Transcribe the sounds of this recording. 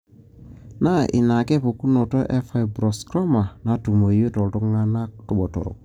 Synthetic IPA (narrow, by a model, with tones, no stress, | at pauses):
na˦ʔḭ˨na˨kɛ˦po˨ku˦no˨tɔ˦ʔɛ˦fa˦jbɾɔ˨skɾa˦ma˨na˦tu˨mo˨jo˦tɔ˨ltɔ˦kŋa˦na˦ktu˦ɓɔ˨tɔ̰˨ɾɔ̰˨k̚